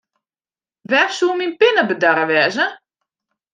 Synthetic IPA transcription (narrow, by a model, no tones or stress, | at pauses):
ʋɛrsuminpɪnəbədaɾəʋɛːzə